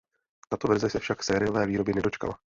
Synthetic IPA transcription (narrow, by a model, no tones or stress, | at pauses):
t̪at̪ovɛɾzɛsɛfʃaksɛːɾɪjo̞vɛːviːɾo̞bjɛnɛdo̞t͡ʃka̰la